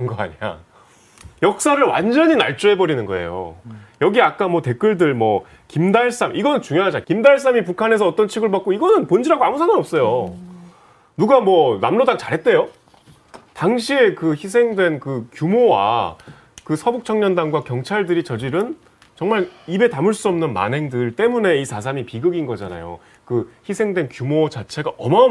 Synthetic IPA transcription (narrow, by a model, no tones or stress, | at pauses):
nɡʌa̰ɲia̰ | jʌk̚s͈aɾɯɭwa̰nd͡ʑʌɲinaɭt͡ɕ͈ue̞bʌɾinɯnɡʌ̰e̞̰jo̰jʌɡiak͈amwʌte̞k͈ɯɭdɯɭmwʌ | kimdaɭs͈amʔiɡʌnɯnt͡ɕuŋjoɦad͡ʑankimdaɭs̬͈amip̬ukʰane̞sʰʌʌt͈ʌnt͡ɕʰiɡɯɭbak͈oiɡʌnɯnpond͡ʑiɾaɡoamusʰanɯnʌp̚s͈ʌjo | nuɡamwʌnamɾodaŋt͡ɕaɾɦe̞t̚t͈e̞jo | taŋɕʰie̞kɯçis̬ʰe̞ŋdwe̞nkɯkjumowa̰ | kɯsʰʌbuk̚t͡ɕʰʌŋɲʌndaŋɡwakjʌŋt͡ɕʰaɭdɯɾit͡ɕʌd͡ʑiɾɯn | t͡ɕʌŋmaɭibe̞tamɯɭs͈uʌmnɯnma̰nɦe̞ŋdɯɭt͈e̞mune̞isʰasʰamipiɡɯɡinɡʌd͡ʑa̰na̰jo̰ | kɯçisʰe̞ŋdwe̞nkjumot͡ɕat͡ɕʰe̞ɡaʔʌma